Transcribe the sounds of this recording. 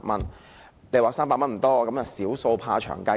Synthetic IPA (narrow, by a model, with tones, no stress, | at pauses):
mɐ˥n | le˨˧jwaː˨˥ksaː˥mpaː˧t̚mɐ˥nm̩˨˩t̪ɔː˥˧kɐ˨˥mjɐ˨wsiː˨˥wso˧wpʰa̰ː˧t͡ʃʰœ̰ː˨˩ŋkɐ˥